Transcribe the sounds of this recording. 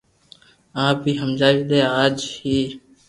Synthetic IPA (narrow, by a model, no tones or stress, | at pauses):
ãːbʱiːɦəmd͡ʒaːʋiːd̪eːaːd͡ʒhiː